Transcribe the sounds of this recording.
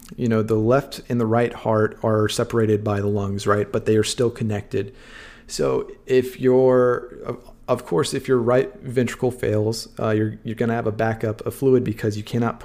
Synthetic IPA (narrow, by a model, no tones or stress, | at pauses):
jɨñoʊðəlɛftɨ̃nðəɹaɪt̚hɑɹɾə˞sɛpə˞eɪɾɨd̚baɪðəlʌ̃ŋzɹaɪt̚b̥ʌt̪̚ðeɪə˞stɪlˠkʰɨnɛk̚tɨd̥ | soʊɪfjə˞ | ʌv̥kʰɔɹsɨfjə˞ɹaɪt̚vɛ̃nt͡ʃɹ̥ə̥kl̩ˠfḛɪlˠz̥jə˞jə˞ɡʌñɨːvəbækʌpʰəfluɨd̚bɨkʰʌzjɨkʰæñɑt̚pʰ